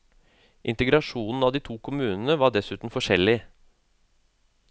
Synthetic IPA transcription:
ʔɪnt̪əɡɾɑʂuːnn̩ɑːʋd̪iːt̪ʰuːkʰʊmʉːnən̩əʋɑːɖɛsʉːt̪n̩fɔʂɛlɪ

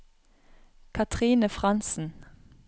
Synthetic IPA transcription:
kʰɑt̪ʰʁiːnəfʁɑnsn̩

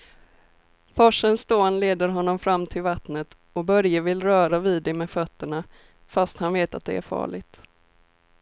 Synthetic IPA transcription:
fɔʂənst̪oːnleːd̪əɾɦɔnːɔmfɾamːt̪ʰɪlvat̪nət̪ | ɔbœɾjəvɪlɾœːɾaviːd̪ːɛmɛfœt̪ːəɳa | fast̪hanveːt̪at̪̚d̪ɛæ̰ɾfɑ̰ːɭɪɡ̚t̪

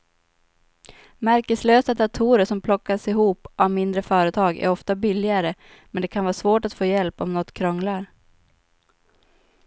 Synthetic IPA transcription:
mæɾkəsløːsad̪at̪ʰuːɾəʂɔmpʰlɔkːasɪɦuːpavmɪnd̪ɾəfœːɾət̪ʰɑːɡæ̰ɾɔft̪abɪlɪɡaɾə | mɛnd̪ɛkʰanvɑːsvoːʈat̪foːjɛlpɔmnɔt̪ːkʰɾɔŋlaɾ

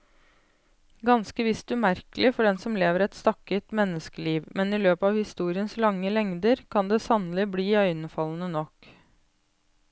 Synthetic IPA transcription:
ɡɑnskəʋɪst̪ʉmæɾkəlɪfɔɖɛnsɔmleːʋəɾɛt̪st̪ɑkət̪mɛnːəskəliːʋmɛnɪløːpəɑʋhɪst̪uːɾɪənslɑŋːəlɛŋd̪əɾkʰɑnd̪eːsɑnəlɪbliːœʏnəfɑln̩ənɔk

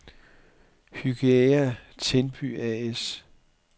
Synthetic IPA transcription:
hyɡ̥eæt͡sʰenb̥y̰ɛes

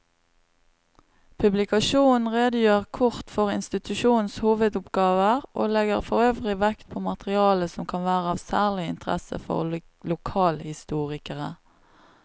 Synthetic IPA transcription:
pʰʉblɪkɑʃuːnn̩ʁeːd̪əjøːʁkʰʊʁt̪fɔʁɪnst̪ɪt̪ʉʃuːn̩shuːʋəd̪ʊpɡɑːʋəʁʔoːlɛɡəʁfɔʁøːʋʁɪʋɛkt̪̚pʰoːmɑt̪ʁɪɑːləsɔmkʰɑnʋæːʁəɑːʋsæːʁlɪɪ̰nt̪əʁɛ̰sə̰fɔ̰ʁ | lʊkʰɑːlhɪst̪uːʁɪkəʁə̰

